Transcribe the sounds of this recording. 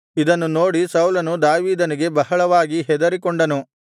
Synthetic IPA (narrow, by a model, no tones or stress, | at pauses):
id̪ɐnːuno̞ːɽisɐwlɐnud̪aːʋiːd̪ɐniɡe̞bɐɦɐɭɐʋaːɡiɦɛd̪ɐɾikoɳɖɐnu